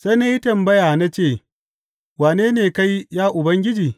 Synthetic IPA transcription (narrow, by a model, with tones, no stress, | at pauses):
sa˦jna˦ji˦tɐ˨mbɐ˦jaː˨na˦t͡ʃeː˦˨ | waː˨neː˦neː˨ka˦jjaː˦ʔʊ˨bɐ˦ŋɡʲɪ˦d͡ʒiː˨